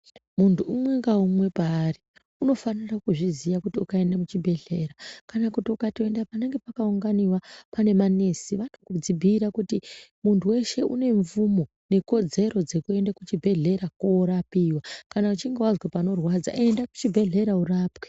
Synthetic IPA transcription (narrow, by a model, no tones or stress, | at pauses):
muntʰuːmwe̞ŋɡaumwe̞paːri | uno̞fanirakuʐizijakutiukae̞ndamut͡ʃibʱe̞ɮe̞ɾakanakutiukatoe̞ndapane̞ŋɡe̞pakauŋɡaniwapane̞manisiʋatokud͡zibʱiɾakutimuntʰuwe̞ʃe̞ʔune̞ɱvumo̞ | ne̞ko̞d͡ze̞ɾo̞d͡ze̞kue̞ndakut͡ʃibʱe̞ɮe̞ɾakoɾapiːwakanaut͡ʃiŋɡewazwapano̞rwad͡za̰e̞ndaku̥t͡ʃibʱe̞ɮe̞ɾauraːpwe